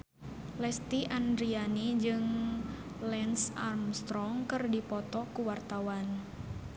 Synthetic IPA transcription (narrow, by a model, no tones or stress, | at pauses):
lɛst̪iʔandɾianid͡ʒɨŋ | lɛnsarmst̪ɾɔŋkɨrdipɔt̪ɔkuwart̪awan